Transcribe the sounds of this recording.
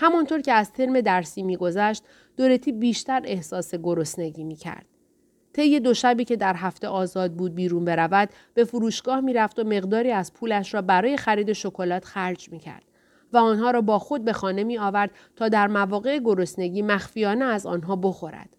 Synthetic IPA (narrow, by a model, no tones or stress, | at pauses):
hæmɒnt̪ʰoɾcʰe̞æzt̪ʰe̞ɾme̞d̪æɾsiːmiːɡo̞zæʃt̪ | d̪̥oɾe̞t̪ʰiːbiːʃt̪æɾe̞hsɒːse̞ɡo̞ɾo̞sne̞ɟiːmiːcʰæ̰ɾd̪̥̚ | t̪ʰe̞jːe̞d̪o̞ʃæbiːcʰe̞d̪æɾɦæft̪e̞ʔɒːzɒːd̪̚buːd̪̚biːɾuːnbe̞ɾævæd̪ | b̥e̞fuɾuːʃɡ̥ɒːhmiːɾæft̪ome̞ɣd̪ɒːɾiːæz̥pʰuːlæʃɾɒːbæɾɒːje̞xæɾiːd̪e̞ʃo̞kʰo̞lɒːt̪ʰxæɾd͡ʒmiːcʰæ̰ɾd̪̥ | væɒːnɦɒːɾɒːbɒːxo̞d̪̚be̞xɒːne̞miːɒːvæɾd̪̥ | t̪ʰɒːd̪æɾmævɒːɣe̞eɡo̞ɾo̞sne̞ɟiːmæxfijɒːneæzɒ̰ːnɦɒːbo̞xo̞ɾæ̰d̪̥